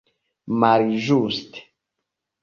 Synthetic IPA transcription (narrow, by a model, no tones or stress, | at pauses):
maɾiʒust̪